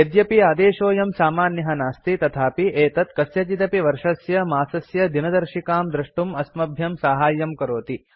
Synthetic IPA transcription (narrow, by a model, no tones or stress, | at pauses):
ɐd̪jɐpiaːd̪eːʃoːjɐmsaːmaːnjɐɦɐnaːst̪it̪ɐt̪ʰaːpiʔeːt̪ɐt̪kɐsjɐt͡ʃit̪ɐpiʋɐɾʂɐsjɐmaːsɐsjɐd̪inɐd̪ɐɾʃikaːmd̪ɾɐʂʈumɐsmɐbʱjɐmsaːɦaːjɐmkɐɾoːt̪i